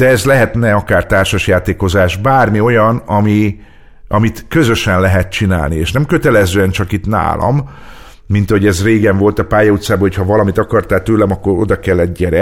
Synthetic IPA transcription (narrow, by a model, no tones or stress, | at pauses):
d̪̥ɛɛzlɛɦɛt̪nɛɒkaːrt̪aːrʃɒʃjaːt̪eːko̞zaːʒbaːrmio̞jɒnɒmi | ʔɒmit̪kø̞zøʃɛnlɛɦɛt̪t͡ʃina̰ːlnieːʃnɛmkø̞t̪ɛlɛzøːɛnt͡ʃɒkit̪na̰ːlʔɒ̰mː | int̪ɒhoɛzreːɡɛɱvo̞lt̪ɒpaːjɒut̪saːbɒɦochɒvɒlɒmit̪ɒkɒrt̪aːt̪øːlɛmɒkːo̞ɾo̞̰d̪ɒkɛlːɛd̚ɟɛɾɛ